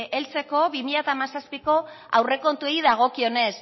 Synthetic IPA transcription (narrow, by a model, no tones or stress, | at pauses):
e̞lt͡se̞ko̞βimiʎat̪amasaspiko̞ | a̰wre̞ko̞nt̪uejðaɣ̞o̞kio̞ne̞s